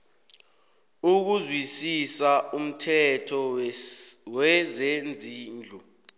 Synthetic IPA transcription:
uk̬uzwisisaum̩tʰɛtʰɔ | wɛzend͡zʱiːnd͡ɮʱɔ

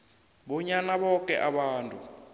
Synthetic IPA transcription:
ɓɔɲanaɓɔkɛ̰ʔaɓaːntʼu

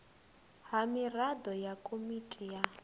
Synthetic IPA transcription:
ɦamiradɔjakʼomitʼija

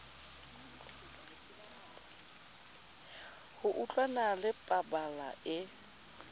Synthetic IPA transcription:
hʊʔut͡ɬʼwanalɪpʼabalaʔɪ

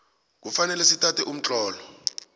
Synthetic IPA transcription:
k̬ufanɛlɛsitʰʼatʰɛʔum̩t͡ɬʼɔːlɔ

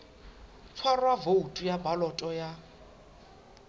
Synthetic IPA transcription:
t͡sʰwarwavoutʼujabalɔtʼɔja

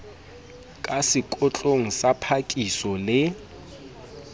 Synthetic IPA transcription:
kʼasɪkʼʊt͡ɬʼoŋ̩sapʰakʼisɔlɪ

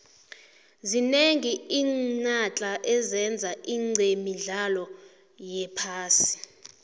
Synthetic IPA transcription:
zineŋiiːnat͡ɬʼaʔɛzɛnd͡zʱaʔiːŋ͡ǀʱemiɮalɔ | jɛpʰaːsi̥

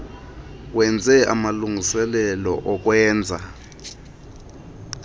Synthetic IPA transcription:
wɛnd͡zʱɛa̰maluŋʱisɛlɛlɔ̰ʔɔk̬wɛːnd͡zʱa

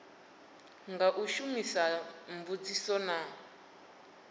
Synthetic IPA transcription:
ŋɡaʔuʃumisambud͡zisɔna

